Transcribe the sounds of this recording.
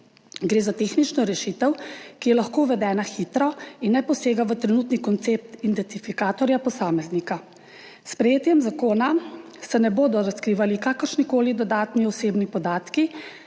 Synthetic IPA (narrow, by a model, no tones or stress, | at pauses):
ɡɾeːzat̪eːxnit͡ʃnɔɾɛʃit̪ɛwkijɛlaxkoːwʋɛd̪ɛːnaxit̪ɾɔinːɛpɔseːɡaʋət̪ɾɛnut̪nikɔnt̪sep̚t̪ind̪ɛnt̪ifikaːt̪ɔɾjapɔsaːmɛznika | spɾɛjeːt̪jɛmzakoːna | sɛnɛboːd̪ɔɾaskɾiːʋalikaːkəɾʃnikoːlid̪ɔd̪aːt̪niɔseːbnipɔd̪aːt̪ki